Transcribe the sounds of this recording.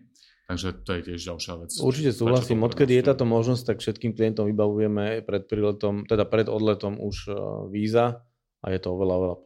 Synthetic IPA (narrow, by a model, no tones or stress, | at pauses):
t̪aɡʒɛt̪ɔjɛcɪɛʒɟalʃɪaʋɛt͡sṵɾt͡ʃicɛsuːɦlasiːmɔt̪kɛd̪ijɛt̪aːt̪ɔmɔʒnɔs̚t̪akfʃɛt̪kiːmklijɛnt̪ɔmʋibaʋujɛmɛpɾɛt̪̚pɾilɛt̪ɔmt̪ɛd̪apɾɛd̪ɔd̪lɛt̪ɔmuʒʋiːza | ʔa̰jɛt̪ɔɔʋɛlaɔʋɛlap